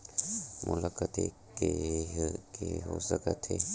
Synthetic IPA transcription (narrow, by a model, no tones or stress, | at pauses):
mʔʊlakət̪e | ke | keɦosəkət̪ʰeː